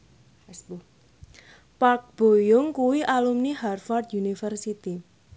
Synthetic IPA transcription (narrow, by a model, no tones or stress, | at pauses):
s | pak̚b̥o̤jʊŋkuwiʔalumniharfard̪junifərsit̪i